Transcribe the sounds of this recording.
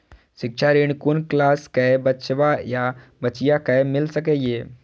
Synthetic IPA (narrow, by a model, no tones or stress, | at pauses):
ʃɪkʃʰaɾɪɽ̃kʊnklaːskɛbət͡ʃʋajabɐt͡ʃɪjakɛmɪlsəkejeː